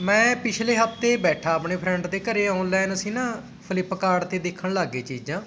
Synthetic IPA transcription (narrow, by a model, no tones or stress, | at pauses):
mɛ̃ːpɪt͡ʃʰleːɦəpʰt̪eːbɛːʈʰaːəpɳeːpʰɾɛ̃ɳʈd̪eːkəɾeːãːʊ̃nlɛːnəsĩːnãː | pʰɪlɪpːkaːɽt̪eːd̪eːkʰːəɳlaːɡeːt͡ʃiːd͡ʒãː